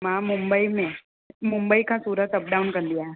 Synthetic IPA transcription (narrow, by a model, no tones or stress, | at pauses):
mãmumbəimẽ | mʊmbəikʰãsuɾət̪əp̚ɖaunkənd̪ija